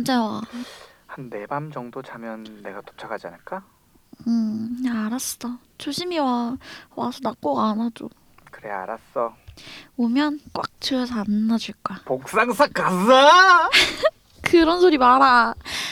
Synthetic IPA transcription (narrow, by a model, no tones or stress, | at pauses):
nd͡ʑawa | hanːe̞bamd͡ʑʌŋdot͡ɕamjʌnːe̞ɡato̥t͡ɕʰaɡad͡ʑia̰nɯɭk͈a | ɯaɾas͈ɯd̥a | t͡ɕoɕʰimiwawasʰʌnak͈oɡanad͡ʑo̰ | kɯɾḛa̰ɾas͈ʌ | omjʌnkwak̚t͡ɕɯʌsʰʌanːad͡ʑuɭk͈apok̚s͈aŋsʰak͈ːasa | kɯɾʌns̬ʰoɾimaɾa